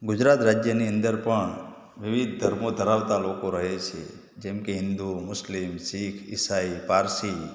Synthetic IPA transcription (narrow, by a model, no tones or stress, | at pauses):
ɡʊd͡ʒɾaːt̪ɾaːd͡ʒjəniə̃nd̪əɾpəɳ | ʋɪʋɪd̪̚ʱd̪ʱəɾmõd̪ʱəɾaʋt̪alokoɾəɦet͡ʃʰḛ | d͡ʒemkeɦɪ̃nd̪umʊslɪmsikʰɪ̰saipaːɾsi